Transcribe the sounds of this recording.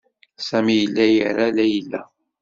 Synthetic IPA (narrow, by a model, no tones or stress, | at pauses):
sæmijəlːæjəɾalæjəlːæ